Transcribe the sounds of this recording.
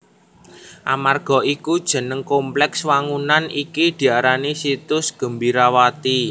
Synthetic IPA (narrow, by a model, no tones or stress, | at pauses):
ʔamarɡ̥ɔ̤ikud̥ʒ̥ə̤nəŋkomplɛkswaŋunanʔikid̪̥i̤aɾanisit̪ʊsɡ̥ə̤mbiɾawat̪i